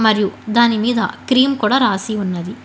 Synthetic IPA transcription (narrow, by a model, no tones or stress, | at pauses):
mɐɾijud̪aːnimiːd̪ɐ̰kɾiːmkuːɽɐɾaːsiunːɐd̪i